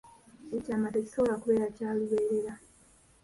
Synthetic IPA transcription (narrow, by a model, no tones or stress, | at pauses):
ecaːmate̞ci̥so̞βolakuβe̞ːɾacaːliβeːɾe̞ɾa